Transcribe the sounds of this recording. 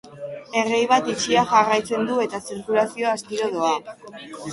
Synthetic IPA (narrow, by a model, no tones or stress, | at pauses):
e̞rejβ̞at̪it͡ʃiaʝarajt͡se̞nd̪ue̞t̪asiɾkulasio̞ast̪iɾo̞ð̞o̞a